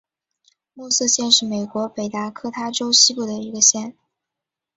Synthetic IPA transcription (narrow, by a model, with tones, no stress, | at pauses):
mu˥˧s̩˥˧ɕjɛ˥˧nʂɻ̩˥˩me˨˩ɪkwɔ˧˥pe˨˩ɪt̪a˧˥kʰɤ˥t̪ʰa˥ʈ͡ʂo˥ʊɕi˥pu˥˩d̪ə˩i˧˥ɡə˧ɕjɛ˥˩n